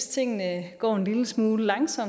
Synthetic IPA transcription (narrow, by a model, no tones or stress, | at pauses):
st͡sʰe̝ŋ̰nəɡ̥ɒ̰ːe̝nliləsmuːləlɑ̈ŋsɒ̽m